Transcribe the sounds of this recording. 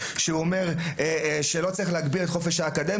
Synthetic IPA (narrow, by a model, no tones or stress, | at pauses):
ʃeuome̞ʁ | ʃelo̞t͡saʁiχleaɡbilet̪χofeʃhaːkad̪e